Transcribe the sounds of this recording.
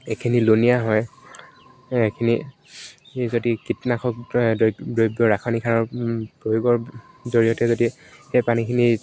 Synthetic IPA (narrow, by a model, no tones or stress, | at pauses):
ekʰinilonijaɦɔj | ekʰini | zodikitnakʰɔk̚ | dojbjɔɹakʰanikʰanɔɹpɹojoɡɔɹ | zoɹijɔtɛzodi | ejpanikʰini